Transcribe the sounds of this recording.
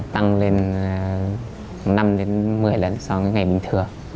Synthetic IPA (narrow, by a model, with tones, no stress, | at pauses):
t̪a˧ŋle˧n | na˧mɗe˨˦nmɨ˨˩əjlə˨˧˩nsɔ˧ŋa˨˦jŋa˨˩jɓï˨˩ŋ̟t̪ʰɨ˨˩əŋ